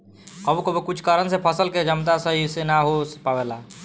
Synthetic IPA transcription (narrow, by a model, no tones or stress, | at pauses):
əbkobekut͡ʃʰkaɾənsepʰəsəlked͡ʒəmt̪asəɦisenaɦospabela